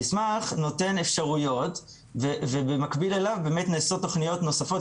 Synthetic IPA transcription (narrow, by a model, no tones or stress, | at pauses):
ismaχno̞te̞nefʃaʁujo̞t | vevebemakbilelavbeːmetneːsot̪ːo̞χnijo̞tno̞safo̞t